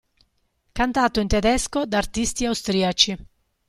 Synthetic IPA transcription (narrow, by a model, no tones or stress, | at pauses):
kant̪aːt̪oint̪ɛd̪ɛskod̪art̪ist̪iawst̪ɾiat͡ʃi